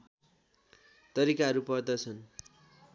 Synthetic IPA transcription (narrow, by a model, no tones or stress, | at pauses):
t̪ʌɾikaɦʌɾupʌrd̪ʌt͡sʰʌn